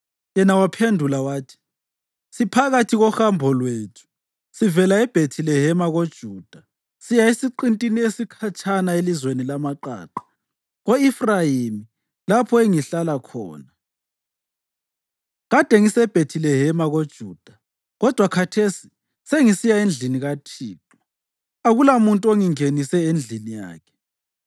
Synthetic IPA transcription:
jɛnawapʰendʱulawaːtʰi̥ | sipʰaɣatʰiɣɔxambʱɔlwetʰu̥ | sivɛlaɛb̥ʱetʰilɛɦɛmaɣod̥ʒ̥ʱuːd̥ʱa | sijaisiǃintʼiniesikʰat͡ʃʰʼanaelizwenilamaǃa̰ːǃḁ | ɣoifrajimi | lapʰɔeŋiɬalakʰɔ̰ːna | ɣad̥ʱeŋisɛb̥ʱetʰilɛɦɛmaɣod̥ʒ̥ʱuːd̥ʱa | ɣɔd̥ʱwakʰatʰesi̥ | seŋisijaend͡ɮʱiniɣatʰiːǃɔ | aɣulamuntʼuoŋiŋenisɛend͡ɮʱinija̰ːkʰɛ̥

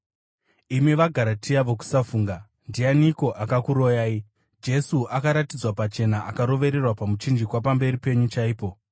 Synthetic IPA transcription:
imiʋaɡʱaɾatʰiaʋoku̥safuːŋɡa | ndianiko̞ʔakakuɾo̞jaːi | d͡ʒe̞suʔakaɾatid͡zwapat͡ʃe̞naakaɾo̞ʋe̞ɾe̞rwapamut͡ʃind͡ʒikwapambe̞ɾipe̞ɲut͡ʃaiːpo̞

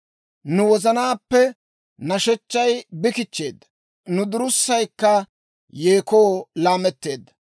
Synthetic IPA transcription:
nʊwɔzɐnaːpːɛ | nɐʃɛt͡ʃːɐjbɪkɪt͡ʃːe̞ːd̪ːɐ | nʊd̪ʊɾʊsːɐjkːɐ | jeːkoːlaːmɛt̪ːe̞ːd̪ːɐ̥

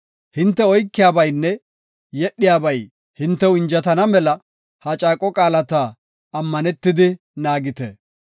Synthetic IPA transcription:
hɪnt̪ːɛɔjkːɪjaːbɐjnːɛ | jɛɗːɪjaːbɐj | hɪnt̪ːɛwɪnd͡ʒɐt̪ɐnɐmɛlɐ | hɐt͡ʃʼaːkʼɔkʼaːlɐt̪aː | ɐmːɐnɛt̪ːɪd̪ɪ | naːɡɪt̪ɛ

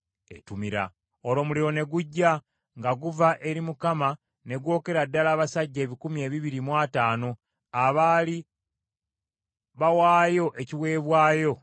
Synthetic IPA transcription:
etumiɾa̰ | olo̞ːmuliɾo̞ne̞ɡuɟːa | ŋɡaɡuvaʔe̞ɾimukama | ne̞ɡwo̞ːke̞ɾadːalaːβasaɟːe̞ːβikumie̞ːβiβiɾimwaːtaːno̞ | aβaːli | βawaːjo̞ʔe̞ciwe̞ːβwaːjo̞

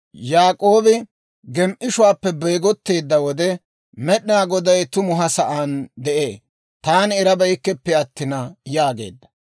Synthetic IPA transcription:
jaːkʼo̞ːbɪ | ɡɛmʔɪʃʊwaːpːɛbɛjɡɔt̪ːe̞ːd̪ːɐwɔd̪ɛ | mɛɗɪnaːɡɔd̪ɐjt̪ʊmʊɦɐsɐʔaːnd̪ɛʔeː | t̪aːnɛɾɐbɐjkːɛpːɛɐt̪ːɪnɐjaːɡe̞̰ːd̪ːɐ̥

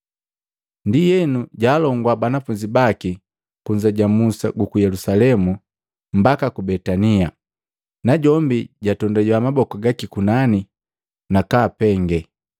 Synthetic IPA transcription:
ndijɛnuɟaːlɔŋɡwabanafuɲd͡ʒibaki | kuɲd͡ʒaɟamusa̰ɡukujɛlusalɛmu | mbakakubɛtania | naɟɔmbiɟatɔndaɟwamabɔkɔɡakikunani | nakaːpɛŋɡɛ

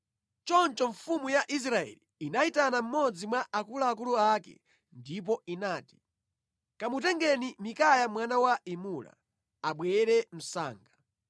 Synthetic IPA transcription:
t͡ʃɔnt͡ʃɔɱfumujaʔis̬ɾaɛ̰liːnaitanam̩mɔd͡zimwaʔakulaːk̬uluakɛ̰ | ndip̬ɔinaːti̥ | kamutɛŋɡɛnimikajamwanawaimula̰ | aɓwɛɾɛm̩sa̰ːŋɡa

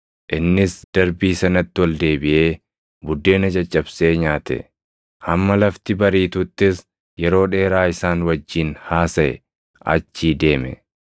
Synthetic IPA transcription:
ʔɪnːɪsd̪̥ɐɾbiːsɐnɐt̪ːɪwɐld̪e̞ːbɪʔe̞ː | bʊd̪ːe̞ːnɐd͡ʒɐt͡ʃʼːɐbse̞ːɲaːt̪ɛ̰ | ʔɐmːɐlɐft̪ɪbɐɾiːt̪ʊt̪ːɪs | jɛɾo̞ːᶑe̞ːɾaːɪsaːnwɐd͡ʒːiːnhaːsɐɛ̰ | ʔɐ̰t͡ʃːiːd̪e̞ːmɛ̰

